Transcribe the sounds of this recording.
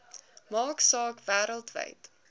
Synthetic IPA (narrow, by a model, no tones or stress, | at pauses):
mɑːksɑːkvæːɾəlˠtvə̰jt